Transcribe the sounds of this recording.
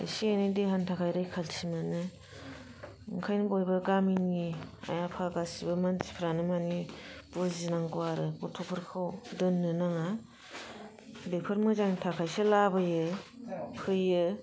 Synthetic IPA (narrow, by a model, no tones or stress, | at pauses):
ḛsienɯdeɦantʰakʰajɾɯjkʰalsʰimɯnɯ | ɯŋkʰajnɯbojbɐɡaminia̰japʰaɡasibɯmantʰi̥pʰɾanɯmanib̥ɔzinaŋɡuaɾɯbɔtʰɔpʰɯɾkʰawdɯnːɯnaŋa | bepʰɯɾmɯzaŋtʰakʰajsɯlabɯjɯ | pʰɯjɯ